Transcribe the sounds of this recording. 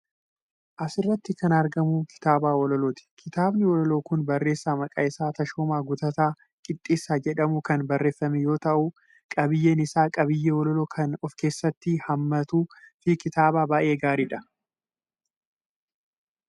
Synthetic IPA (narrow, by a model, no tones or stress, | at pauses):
ʔɐsɪrːɐt̪ːɪkɐnɐɾɡɐmukʰɪ̥t̪aːbaːwɔlɔlo̞ːt̪ɪ̥kʰɪt̪aːbnɪwɔlɔloːkʊnbɐrːe̞ːsːaːmɐkʼɐɪsaːt̪ɐʃoːmaːɡʊt̪ɐt̪aː | kʼɪt̪ʼːiːsːaːd͡ʒɛᶑɐmʊkɐnbɐrːe̞ːfːɐmɛjo̞ːt̪ɐʔʊ | kʼɐbɪjːeːnɪsaːkʼɐbɪjːɛwɔlɔloːkʰɐnɔfke̞ːsːɐt̪ːɪhɐmːɐt̪uːfɪkɪt̪aːbaːbaːʔe̞ːɡaːɾiːᶑɐ